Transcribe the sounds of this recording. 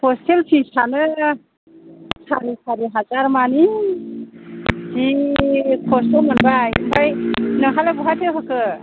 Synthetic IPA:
pʰɔselpʰisʰanɯ | sʰa̰ɾisʰaɾiɦazaɾmani | zi | kʰɔsɯmɔnbajmbajnɯɦalebɔɦatʰewɦakɯ

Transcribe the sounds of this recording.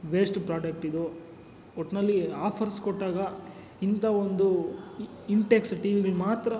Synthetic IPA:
ʋeːsʈpɾaːɖɐk̚ʈid̪u | ɔʈːnɐlːiaːpʰɐɾskɔʈːaːɡɐ | int̪ɐond̪u | iɳʈeksʈiːʋiɡɐɭmaːt̪ɾɐ

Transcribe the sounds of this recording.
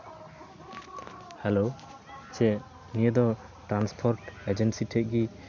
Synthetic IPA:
hɛlo | t͡ʃɛ | nijɛd̪ɔ | ʈɾanspʰɔɾʈɛd͡ʒɛnsiʈʰɛʔ̚ɡi

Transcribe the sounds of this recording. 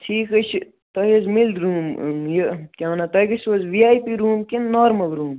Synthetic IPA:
tʰiːkɐt͡ʃʰ | t̪ɐɦizmild̪ɾuːmjəkʲaːnat̪ɐɡisʋɐzʋiaːjpiɾuːmkinːoːɾmɐlɾuːm

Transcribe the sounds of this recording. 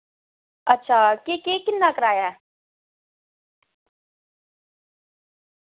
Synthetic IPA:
ɐtːʃʰaːkekekɪnːakəɾaːjaː

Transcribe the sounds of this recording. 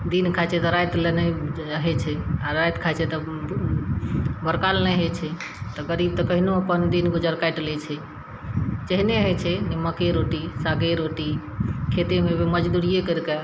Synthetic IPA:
d̪inkʰat͡ʃʰet̪ɔɾajt̪lene | əɦet͡ʃʰɛaɾajt̪kʰat͡ʃʰet̪ɔ | bəɾkalnaɦet͡ʃʰɛ | t̪ɔɡəɾib̚t̪ɔkəɦinoəpənd̪inɡod͡ʒəɾkajʈlɛt͡ʃʰɛ | d͡ʒəɦineəɦet͡ʃʰɛnimːəkeɾoʈisaɡeɾoʈi | kʰet̪emẽbeməd͡ʒd̪uɾijekəɾka

